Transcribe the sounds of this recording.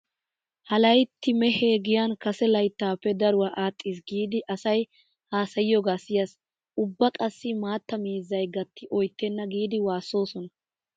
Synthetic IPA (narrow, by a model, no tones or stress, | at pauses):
hɐlɐjt̪ːɪmɛheːɡɪjankɐsɛlɐjt̪ːaːpːɛd̪ɐɾʊwaʔaːt̪ʼːiːs̬ɡiːd̪ɪʔɐsɐj | haːsɐjɪjɔɡaːsɪjɐs | ʔʊbːɐkʼɐsːɪmaːt̪ːɐmiːzːɐjɡɐt̪ːɪʔɔjt̪ːɛnːɐɡiːd̪ɪwaːsːo̞ːsɔnɐ